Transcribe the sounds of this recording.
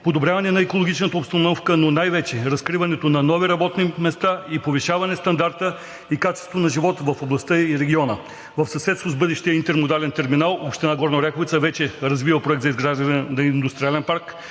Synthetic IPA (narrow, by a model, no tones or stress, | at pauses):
pod̪obɾʲjavɐnɛnɐɛkolˠoɡit͡ʃnət̪əopst̪ɐnɔfkənonajvɛt͡ʃɛɾɐskɾivɐnɛt̪onɐnɔviɾɐbɔt̪nimɛst̪aipovɛʃavɐnɛst̪ɐnd̪aɾt̪ə | ikat͡ʃɛ̥st̪vonɐʒivɔt̪vɐfoblˠɐst̪əiɾɛɡʲiɔnə | vəfsɐsɛt̪st̪vozbɤd̪ɛʃt̪ijəint̪ɛɾmod̪alɛnt̪ɛɾminalˠopʃt̪ɛnaɡɔɾnoɾɛkovit̪səvɛt͡ʃɛɾɐzvivəpɾoɛkt̪zɐizɡɾaʒd̪ɐnɛnɐind̪ust̪ɾʲialɛnpaɾk